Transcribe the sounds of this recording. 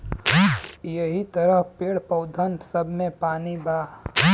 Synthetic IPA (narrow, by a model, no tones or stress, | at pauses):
jəɦit̪əɾəɦpeːɽpəʊd̪ʱənsəbʱmẽpaːnibaː